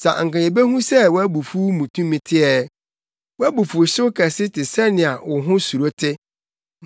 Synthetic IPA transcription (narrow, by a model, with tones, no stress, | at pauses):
sa̰˨ŋ̩˨kã˨ɲẽ˨be˦ɦũ˦sɛ˦˨wɔ˦æ˦bu˨fu˦mũ˨tʰũ˦mĩ˨tʰɪ˦ɛ˨ | wɔ˦æ˦bu˨fu˨ɕʊ˦kʰɛ˨sɪ˦tʰɪ˨sɛ˦nɪ̃˨a˨wʊ˨ɦʊ̃˦su˨ɾo˦tʰɪ˦